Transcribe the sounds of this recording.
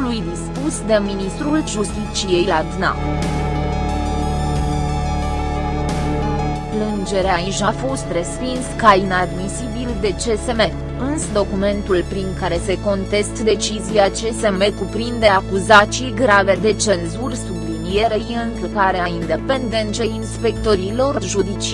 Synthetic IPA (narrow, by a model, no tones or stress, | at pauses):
lujd̪ispusd̪e̞minist̪ɾulʒust̪it͡ʃije̞jlad̪na̰ | plɨnd͡ʒe̞ɾeaiʒafo̞st̪re̞spinskainad̪misibild̪e̞t͡ʃe̞se̞me̞ | ɨnsəd̪o̞kume̞nt̪ulpɾiŋkaɾe̞se̞ko̞nt̪e̞st̪d̪e̞t͡ʃizijat͡ʃe̞se̞me̞kupɾind̪e̞akuzat͡ʃijɡɾave̞d̪e̞t͡ʃe̞nzurʲsublinie̞ɾejɨnk̪kaɾeaind̪e̞pe̞nd̪e̞nt͡ʃe̞inspe̞kt̪o̞ɾilo̞rʒud̪it͡ʃi